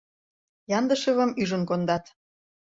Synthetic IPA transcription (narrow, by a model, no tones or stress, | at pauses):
jɑnd̪əʃə̆βə̆myʒə̆nkond̪ɑt̪